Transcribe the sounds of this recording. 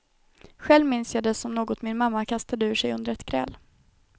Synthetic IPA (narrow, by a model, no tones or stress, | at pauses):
ɧɛlvmɪnsjɑːd̪ɛsɔmnoːɡɔt̪mɪnmamːakʰast̪ad̪əʉ̟ːʂɛjɵnd̪əɾɛt̪kʰɾɛ̰lː